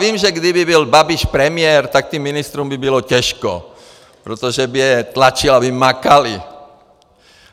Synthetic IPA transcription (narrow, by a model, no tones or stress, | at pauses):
viːmʒɛɡd̪ibibilbabiʃpɾɛmɪɛɾt̪ak̚t̪iːmːinist̪ɾuːmbibilocɛʃkɔ̰ | pɾot̪oʒɛbijɛt̪lat͡ʃilabimakali